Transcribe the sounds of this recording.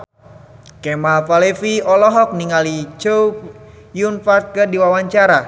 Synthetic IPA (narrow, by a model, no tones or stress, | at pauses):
kɛmafalefiɔlɔɦɔk̚niŋalit͡ʃow | junfart̪̚kədiwawaɲt͡ʃaɾa